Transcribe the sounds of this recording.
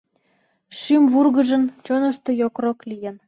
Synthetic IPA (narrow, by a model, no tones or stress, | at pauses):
ʃymβurɣə̆ʒə̆nt͡ɕonə̆ʃt̪ɤ̆jokroklijən